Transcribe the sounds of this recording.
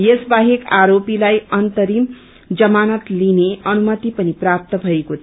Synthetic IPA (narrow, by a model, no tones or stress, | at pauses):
jesbaɦekaɾopilajʌnt̪ʌɾim | d͡zʌmanʌt̪lineʌnumʌt̪ipʌniprap̚t̪ʌbʱʌekot̪ʰ